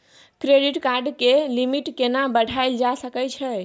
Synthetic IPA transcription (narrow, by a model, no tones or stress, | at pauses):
kɾeɖiʈkaɾɖkelimiʈkenabəɽ̤ʱajld͡ʒasəkət͡ʃʰɛ